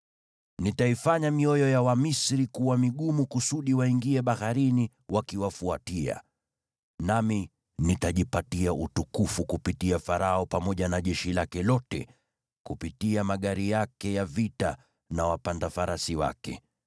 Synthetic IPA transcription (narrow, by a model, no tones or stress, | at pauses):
nitaifaɲamiɔjɔjawamisɾikuwamiɠumukusuɗiwaiŋɡiɛɓahaɾini | wakiwafuatia̰ | nami | nitaʄipatiaʔutukufukupitiafaɾaɔpamɔʄanaʄɛʃilakɛlɔtɛ̰ | kupitiamaɠaɾijakɛjavita | nawapandafaɾasiwa̰kɛ̰